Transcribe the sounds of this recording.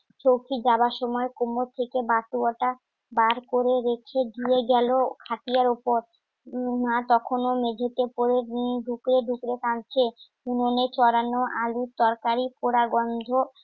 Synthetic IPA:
t͡ɕowkʰid͡ʑabaʃɔmɔekomot̪ʰekebat̪uaʈa | baɾkoɾeɾekʰeɡieɡɛlokʰat̪ijaɾopoɾ | nat̪ɔkʰonomed͡ʑʱet̪epoɾeiɖʱukɾeɖʱukɾekant͡ɕʰe | unonet͡ɕɔɾanoʔalut̪ɔɾkaɾipoɾaɡɔnd̪ʱo

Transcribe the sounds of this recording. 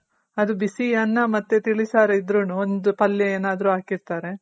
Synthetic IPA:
ɐd̪ubisiɐnːɐmɐt̪ːet̪iɭisaːɾɐid̪ɾunuond̪upɐljɐeːnaːd̪ɐɾuaːkiɾt̪aːɾe̞

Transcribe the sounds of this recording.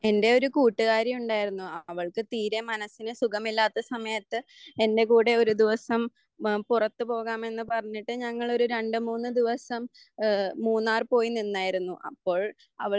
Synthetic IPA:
e̞nde̞o̞ɾukuːʈːɨɣaːɾjɐmuɳɖaːjiɾunːuɐɐʋɐɭkɨt̪iːɾemɐnɐsːinɨsuɡɐmilːaːt̪ːɐsɐmɐjɐt̪ːɨe̞nde̞kuːɽe̞o̞ɾud̪iʋɐsɐm | purɐt̪ːɨpo̞ːɣaːme̞nːɨpɐrɐɲːiʈːɨɲɐŋːɐɭo̞ɾuɾe̞ɳɖɨmuːnːɨd̪iʋɐsɐm | muːnːaːrpo̞ːjininːaːjiɾunːuʔɐ̰pːo̞ːɭ | ɐʋɐ

